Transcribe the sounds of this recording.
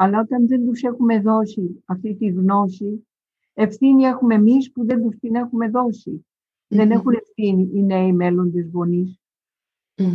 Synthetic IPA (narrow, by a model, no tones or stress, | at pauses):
ɐlɐot̪ɐnðe̞nd̪usexume̞ðo̞siɐft̪it̪iɣnosi | e̞fθiniexume̞mispuðe̞nd̪ust̪ine̞xume̞ðo̞si | ðe̞ne̞xune̞fθiniʔːneimelond̪ezɣonis